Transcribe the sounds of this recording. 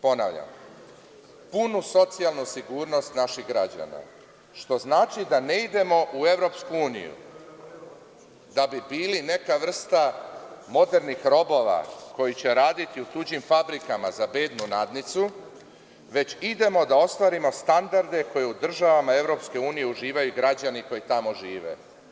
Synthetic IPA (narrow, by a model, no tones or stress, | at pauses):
po̞na̰ʋʎa̰m | punuso̞t̪sijalˠnusiɡuːɾno̞st̪naʃiɣɡɾad͡ʑa̰na̰ | ʃt̪o̞znaːt͡ʃid̪aneid̪e̞mo̞ʔue̞ʋɾo̞ːpskuuːnḭjṵ | d̪abibiːline̞kaʋr̩st̪amo̞d̪e̞ɾnixɾo̞bo̞ʋa̰ko̞jit͡ɕe̞ɾaːd̪it̪iut̪ud͡ʑimfabɾikama̰zabe̞ːd̪nunad̪nit̪su | ʋe̞t͡ɕid̪e̞mo̞d̪ao̞st̪ʋaɾimo̞st̪and̪aɾd̪e̞ko̞je̞ud̪r̩ʒaʋamae̞ʋɾo̞pske̞uːnije̞uʒiːʋajuɡɾad͡ʑaniko̞jit̪amo̞ʒiːʋe̞̰